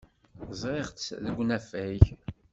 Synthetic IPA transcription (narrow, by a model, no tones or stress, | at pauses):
zˤɾeʁt͡sðəɡʷːnæfæç